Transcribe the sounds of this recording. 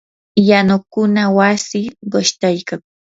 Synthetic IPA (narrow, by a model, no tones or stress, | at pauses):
janʊkʊnawasɪɢoʃt̪ajkaŋ